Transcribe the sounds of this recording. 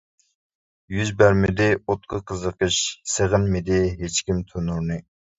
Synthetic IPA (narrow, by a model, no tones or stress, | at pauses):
jyzbæɾmɪd̪ɪot̪̚qʰəqʰəzəqəʃseʁənmɪd̪ɪɦet͡ʃkʲimt̪ʰønuɾnɨ